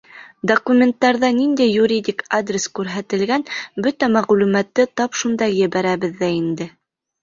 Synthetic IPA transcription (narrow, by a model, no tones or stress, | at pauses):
d̪okumʲent̪ːɑɾðɑnind̪æjːuɾʲid̪ʲikad̪rʲɪskʉɾɦæt̪ɘ̆lɡænbɵt̪æmæʁlʉmæt̪ːɘt̪ɑpʃund̪ɑjɘ̆βæɾæβɘðːæind̪ɘ